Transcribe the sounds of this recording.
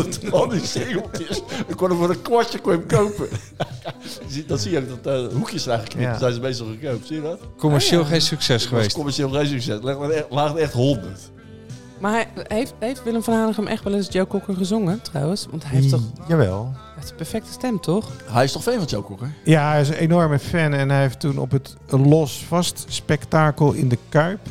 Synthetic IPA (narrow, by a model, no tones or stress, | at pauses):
tɔndiseukjəsəkonəvoːrəkwɔcəkwɪmkowpə | sidɔtsijəowk̚dɔtəɦukjəsənɛjxləkːnɪsɛjzəmejs̬təχəkowp̚siːjədɔtkoməʃeːlˠxejnsyksɛsxəʋeːstkoməɹʃeːlˠxejnsyksɛslɪχənɛlaːχɛχtɦondəɹt | maɦejftejftʋɪlˠəmfɔnaːnəχəmʔɛxtʋɛlˠɪnsjowkɔkəχəzʊŋətrɔ̰wənsʋɔ̰ntɦɛjefɔjaʋɛ̰lˠ | təpɛɹfɛk̚tə̥stɛmtʰɔχɦɛjɪstɔχfɛnfɔnjowkɔkəjaɦɛjɪsenɔɹməfɛnɛnɦɛjɦeftunɔ̰pət | lɔsfɑstspɛktaːkəlˠɪ̰ndəkœɥp